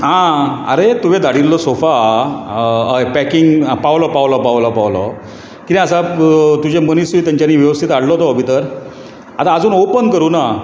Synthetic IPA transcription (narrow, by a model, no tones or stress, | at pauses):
ɦãə̰ɾet̪uʋẽd̪aɽilːɔsofa | əpɛkiŋɡpawlɔpawlɔpawlɔpawlɔ | kit̪ĩəsat̪ud͡ʑemənisiːt̪jaɲt͡ɕaniːʋjəʋəst̪ʰit̪aɽlɔt̪ɔbʱit̪əɾ | at̪aːd͡zuːnowpənkəɾuːna